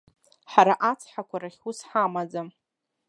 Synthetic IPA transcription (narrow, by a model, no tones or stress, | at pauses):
ħaɾaʔat͡sʰħakʷʰaɾaχʲusħamad͡zam